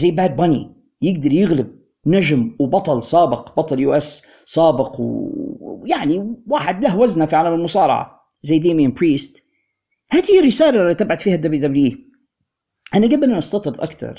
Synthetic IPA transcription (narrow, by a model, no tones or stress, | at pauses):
zajːbaːd̪̚bɑnḭ | jɪɡd̪ɑɾˤjɪɣlɪb̚ | naʒmwbɑt̪ˤɑlsˤɑːbɪqbɑt̪ˤɑljuːʔɛs | sˤaːbɪqw | jaʕniwaːħɪd̪lahwaznafiʕalamɪlmʊsɑːɾˤɑ̰ʕɑ̰ | zajːd̪iːminpɾiːst̪ | haːd̪hiɪrːɪsaːlalit̪ɪbʕad̪fiːhad̪abid̪abli | ʔanaɡabɪlnanʔɑst̪ɑt̪ˤɨɾd̪ˤʔakt̪ɑ̰ɾˤ